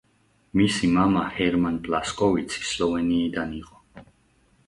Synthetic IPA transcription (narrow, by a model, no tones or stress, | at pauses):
misimamahɛɾmanpʼlaskʼɔvit̪sʰi̥slɔvɛniːd̪aniqʼɔ